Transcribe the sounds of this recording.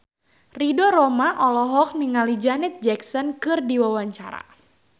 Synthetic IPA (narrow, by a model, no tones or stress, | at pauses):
ridoɾɔmaʔɔlɔɦɔk̚niŋalid͡ʒanɛt̪̚d͡ʒɛksɔnkɨrdiwawaɲt͡ʃa̰ɾa̰